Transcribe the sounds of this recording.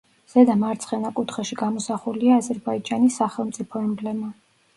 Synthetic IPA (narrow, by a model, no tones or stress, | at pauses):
z̥ɛd̪amaɾt̪sʰχɛnakʼut̪ʰχɛʃiɡamɔsaχuliaːzɛɾbaid͡ʒanisːaχɛlˠmt̪sʼipʰɔɛmblɛma